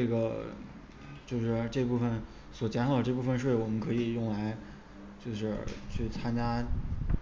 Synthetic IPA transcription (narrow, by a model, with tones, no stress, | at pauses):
ʈ͡ʂe˥˩ɡə˩ | t͡ɕjo˥˧ʊʂɻ̩˥˧ʈ͡ʂɤ˥˧pu˥˩fə˩n | swɔ˨˩t͡ɕjɛ˥nʰɑ˥d̪ə˧ʈ͡ʂɤ˥˧pu˥˧˩fə˧nʂ̬we˥˩ɪwɔ˨˩mə˦nkʰɤ˧˥i˨˩jʊ˥˩ŋla˧˥ɪ | t͡ɕjo˥˧ʊʂɻ̩˥˧t͡ɕʰy˥˩t͡sʰa˥nt͡ɕja˥